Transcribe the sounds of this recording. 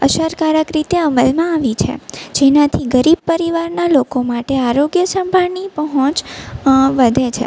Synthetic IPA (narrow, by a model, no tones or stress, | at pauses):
əʃəɾkaɾəkɾit̪eəməlmãaʋit͡ʃʰḛd͡ʒenat̪ʰiɡəɾib̚pəɾiʋaɾnalokomaʈeaɾoɡjəsəmbʱaɽnipəɦɔ̃t͡ʃ | ʋəd̪ʱet͡ʃʰḛ